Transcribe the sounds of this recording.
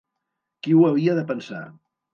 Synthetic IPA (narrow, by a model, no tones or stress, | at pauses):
kiwəβiəðəpənsa̰